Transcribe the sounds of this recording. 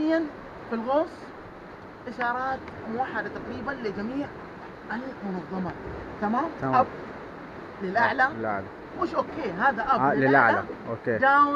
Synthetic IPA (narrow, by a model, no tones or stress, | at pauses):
ɪjːan | filɣoːsˤ | ʔɪʃɑːɾˤɑːt̪mʊwaħːad̪at̪aqɾiːbanlɪd͡ʒamiːʕ | ʔalmʊnɑðˤːɑmɑt̪amaːmʔab | lɪlʔaʕlalʔa̰ʕla | muːʃʔoːkːeːɦaːðaʔablɪlʔa̰ʕlaa̰ʔoːkeːd̪aː